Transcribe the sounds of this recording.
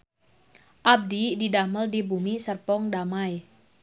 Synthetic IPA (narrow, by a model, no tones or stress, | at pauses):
ʔab̚dididaməldibumisərpɔŋdamaj